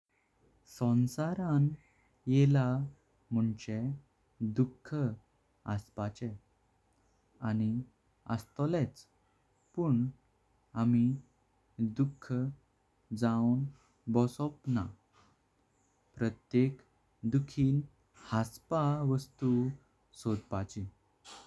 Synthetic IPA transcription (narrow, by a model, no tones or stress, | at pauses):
sɔ̃nsaɾãn | jela | m̤uɳt͡ɕe | d̪ukʰːə | ə̰spat͡ɕɛ | ani | ə̰st̪ɔlɛt͡s | puːɳ | ami | d̪ukʰːə | d͡zawn | bɔsɔpna | pɾət̪jek | d̪ukʰiːn | haspaʋəst̪u | sod̪pat͡ɕi